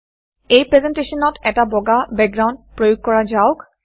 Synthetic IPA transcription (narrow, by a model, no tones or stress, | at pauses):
ejpɹezɛnteʃɔnɔtʰɛtabɔɡabɛɡ̚ɡɹawnd̚pɹojoɡ̚kɔɹazaʊk